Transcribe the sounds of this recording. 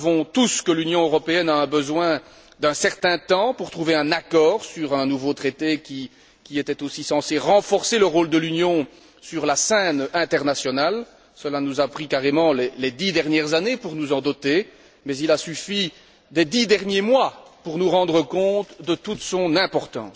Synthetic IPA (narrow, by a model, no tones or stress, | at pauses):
vɔ̃t̪uskəlynjɔ̃øʁɔpeɛnaɛ̃bəzwɛ̃ | d̪ɛ̃sɛʁt̪ɛ̃t̪ɑ̃puʁt̪χuveɛ̃nakɔːʁsyʁɛ̃nuvot̪χet̪ekʲi | kʲiet̪ɛt̪osisɑ̃seʁɑ̃fɔʁseləʁoːld̪əlynjɔ̃ | syʁlasɛnɛ̃t̪ɛʁnasjɔnal | səlanuzapχikaʁemɑ̃lɛlɛd̪id̪ɛʁnjɛʁzanepuʁnuzɑ̃d̪ɔt̪e | mɛzilasyfi | d̪ɛd̪id̪ɛʁnjemwapuʁnuʁɑ̃d̪ʁəkɔ̃t̪d̪ət̪ut̪sɔ̃nɛ̃pɔʁt̪ɑ̰̃ːs